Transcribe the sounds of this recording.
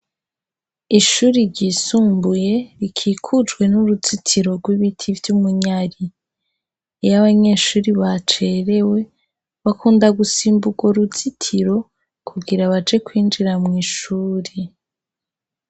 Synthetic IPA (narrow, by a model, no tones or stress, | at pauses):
iʃuːɾiɾɟiːsuːmbuje̞ɾikʰiːkʰud͡ʒɡwe̞nuɾut͡sitʰiɾo̞ɾɡwiβitʰivjumuɲaɾi | jaβaɲe̞ːʃuːɾiβat͡ʃe̞ɾe̞we̞ | βakʰuːndaɡusiːmbuɡwoɾut͡sitʰiɾo̞ | kʰuɡiɾaβat͡ʃe̞kwiːnd͡ʒiɾamŋiːʃuːɾi